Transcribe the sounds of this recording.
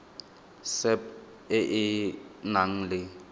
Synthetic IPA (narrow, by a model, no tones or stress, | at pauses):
sɛp̚ | ɪʔɪnaŋ̩lɪ